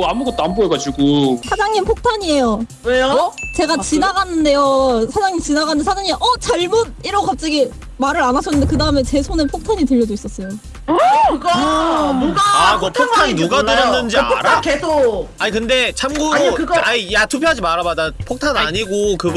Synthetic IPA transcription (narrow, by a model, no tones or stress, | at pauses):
oamuɡʌt͈̚oamboeɡad͡ʑiɡosʰad͡ʑaŋimpʰok̚tʰaɲiejo | wet͡ɕe̞ɡat͡ɕinaɡanːɯnde̞josʰad͡ʑaŋimt͡ɕinaɡanɯnsʰad͡ʑaɲiaʔʌt͡ɕaɭmud̚iɾokap̚t͡ɕ͈ʌɡi | maɾɯɾanas͈ʌnːɯndekɯdaɯmet͡ɕe̞sʰonɯnpʰok̚tʰaɲitɯʎːʌdois͈ʌs͈ʌjo | ɯɡ | oɡamʌpʰok̚tʰaɲinuɡadɯɾjʌnnːɯnd͡ʑiaɾakesoaɲikɯnde̞t͡ɕʰamɡuaɲkɯɡʌaɲijatʰupʰjead͡ʑimaɾamadapʰok̚tʰanaɲiɡokɯɡ